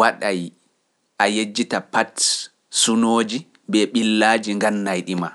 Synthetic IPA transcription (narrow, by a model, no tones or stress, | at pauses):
waɗaj | ʔajed͡ʒːitapat | sunoːd͡ʒi | bɛɓilːaːd͡ʒiŋɡanːajɗima